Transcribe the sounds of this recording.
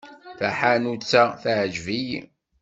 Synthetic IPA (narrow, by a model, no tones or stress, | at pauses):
θaħanut͡sːaθaʕəʒvij